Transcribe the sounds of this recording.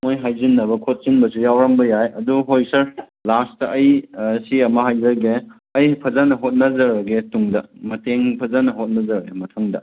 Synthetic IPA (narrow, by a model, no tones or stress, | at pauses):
mojɦajzinːɐbɐkʰot̚sinbɐsujawɾɐmbɐjajɐduɦojsɐɾ | lastɐʔɐjsiɐmɐhajzɐɡe | ɐjpʰɐzanɐɦot̚nɐzɐɾɐɡetuŋdɐmɐteŋpʰɐzanɐɦot̚nɐzɐɾɡemɐtʰɐŋdɐ̰